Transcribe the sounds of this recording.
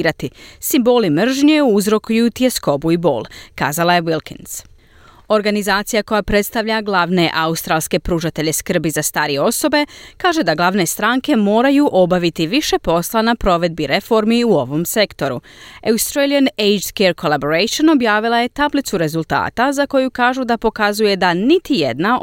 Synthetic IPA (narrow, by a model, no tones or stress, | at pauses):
ɾat̪isimbo̞ːlimr̩ʒɲeuuzɾo̞kujut̪iesko̞buibo̞̰ːlˠka̰ːzalˠaje̞ʋilˠkḭns | o̞ɾɡanizaːt̪sijako̞japɾe̞t̪st̪aʋʎaɡlˠaːʋne̞ʔaust̪ɾaːlˠske̞pɾuːʒat̪e̞ʎe̞skr̩bizast̪aːɾije̞o̞so̞be̞kaːʒe̞d̪aɡlˠaʋne̞st̪ɾaŋke̞mo̞ːɾajuʔo̞baʋit̪iʋiʃe̞po̞slˠanapɾo̞ʋe̞d̪̚biɾe̞fo̞ɾmiuo̞ʋo̞mse̞kt̪o̞ɾṵaust̪ɾelijanejd͡ʒskeɾko̞lˠabo̞ɾejʃono̞bjaːʋilˠaje̞t̪ablit̪suɾe̞zulˠt̪a̰ːt̪azako̞jukaːʒud̪apo̞kazuje̞d̪anit̪ijḛd̪na